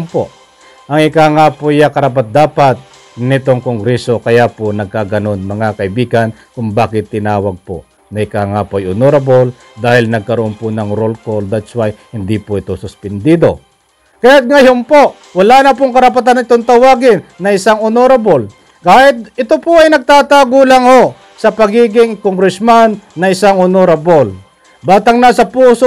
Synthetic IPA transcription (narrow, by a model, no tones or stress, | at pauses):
mpoʔ | ʔɐŋɪkaŋapojakɐɾɐp̬at̪̚d̪aːpat̪̚ | nɪt̪oŋkoŋɡɾɛso̞kɐjaponɐɡ̚kaːɡɐno̞nmɐŋakɐʔɪbiːɡɐn | kʊŋbaːkɪt̪ːɪnaːwɐɡ̚po̰ | nɐʔɪkaːŋapoajonoɾɐbol | d̪aːhɪlnɐɡ̚kɐɾoʔonpʊnɐŋɾolkold̪at̪swajhɪnd̪ipoʔɪt̪osʊspɛnd̪iːd̪o̞ | kɐjat̪̚ŋɐjompoʔ | wɐlanɐp̬oŋkɐɾɐpat̪̬anɐŋɪt̪oŋt̪ɐwaːɡɪnːɐʔɪsaŋonoɾɐbol | kaːjɪt̪̚ɪt̪opoɐjnɐɡ̚t̪aːt̪aːɡulaŋho | sɐpɐɡiːɡɪŋkoŋɾɪsmanːɐɪsaŋonoɾɐbol | baːt̪aŋnɐsɐpuːso